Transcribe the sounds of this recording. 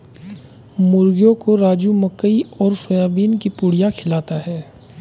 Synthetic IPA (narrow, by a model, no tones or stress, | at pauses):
mʊɾɡjõkoɾaːd͡ʒuməkːəiɔːɾsojaːbiːnkipʊːɽijakʰɪlaːt̪aɦɛː